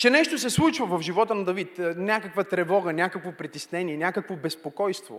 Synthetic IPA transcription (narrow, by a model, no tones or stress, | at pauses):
t͡ʃɛnɛʃt̪osɛslˠut͡ʃvəvɐfʒivɔt̪ənɐd̪ɐvit̪nʲakəkvɐt̪ɾɛvɔɡənʲakəkvopɾit̪isnɛniɛnʲakəkvobɛspokɔjst̪vo̰